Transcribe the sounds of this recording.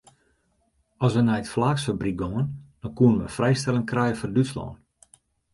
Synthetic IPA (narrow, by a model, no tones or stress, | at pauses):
ɔsʋənaətflaːksfabrik̚ɡɔŋənd̥ɔnkuənʋə̰frɛjstɛlɪŋkrɛjəfɔrdytslɔ̰ːn